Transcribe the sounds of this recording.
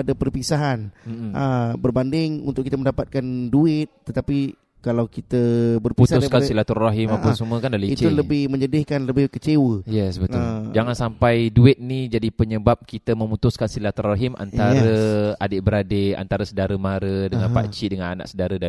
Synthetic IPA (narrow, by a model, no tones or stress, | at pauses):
adapərpisaɦanm̩əbərbandɪŋunt̪ʊkit̪əməndapat̪̚kanduɪt̪̚ːət̪api | kalawkit̪əbərputsuskansilat̪ɔrːaɦimapasəmuəkandaliit͡ʃuləbɪhmə̃ɲədɪhkanləbɪhkət͡ʃewəjɛsbət̪ʊld͡ʒaŋansampajduɪt̪̚nid͡ʒadipəɲəbap̚kit̪əmə̃mut̪uskansilat̪ɔraɦimʔa̰nt̪aɾəadeʔbəɾadea̰nt̪aɾəsədaɾəmaɾədəŋanpa̰t͡ʃidəŋanana̰ʔsədaɾəda